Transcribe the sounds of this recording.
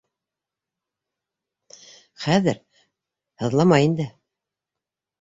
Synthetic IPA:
χæðɘɾ | hɤ̆ðlˠɑmɑjind̪ɘ

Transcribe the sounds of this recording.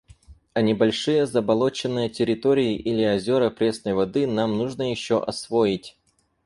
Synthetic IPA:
ɐnʲɪbɐlʲʂɨjəzəbɐlˠo̞t͡ɕɪnːɨjətʲɪɾʲɪt̪o̞ɾʲɪɪʔilʲɪɐzʲo̞ɾəpɾʲe̞snəjvɐd̪ɨnamnuʐnəjɪɕːoʔɐsvo̞jɪtʲ

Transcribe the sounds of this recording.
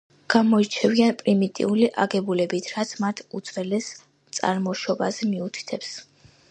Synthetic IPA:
ɡ̥amɔit͡ʃʰɛvianpʼɾimit̪ʼḭuliʔaɡɛbulɛbit̪ʰɾat̪sʰmat̪ʰud̪sʰʼvɛlɛs | t̪sʼa̰ɾmɔʃɔbazɛmiut̪ʰi̥t̪ʰɛps

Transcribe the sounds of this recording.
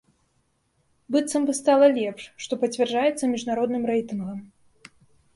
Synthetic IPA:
bɨt̪sɐmbɨst̪alˠɐlʲɛpʂːt̪ɔpɐt͡sʲvʲɛrd͡ʐajɛt̪sːɐmʲiʐnaɾɔd̪nɨmrɛjt̪ɨnɣɐm

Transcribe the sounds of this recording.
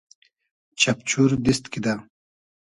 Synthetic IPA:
t͡ɕapt͡ɕuɾd̪ist̪kid̪a

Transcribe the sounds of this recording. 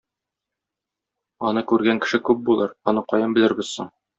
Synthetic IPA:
ɒnɤkʉɾɡæŋkɘ̥̆ʃɘkʉp̚bulˠɤɾɒnɤqɒjɤmbɘ̆lɘ̆ɾbɘ̆zsɤɴ

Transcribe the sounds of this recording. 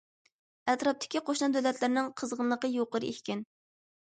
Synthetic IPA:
ɛt̪ɾɑp̚t̪ʰɪ̥kʲiqʰoʃnɑd̪ølɛt̪ʰlɪɾnɪŋqʰəzʁənlˠəqəjoqəɾɨʔehʲkʲɪn

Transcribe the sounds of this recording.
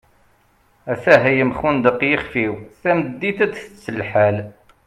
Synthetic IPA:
æθæɦæjəmχund̪əqːjəχfiwθæməd̪ːit̪æd̪θət͡sːəlħæl

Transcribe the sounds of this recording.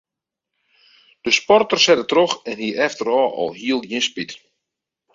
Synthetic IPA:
d̥əspɔrtərsɛdətrɔxɛnhiʔɛftəɾɔːʔɔ̰lˠɦiəlˠjinspit

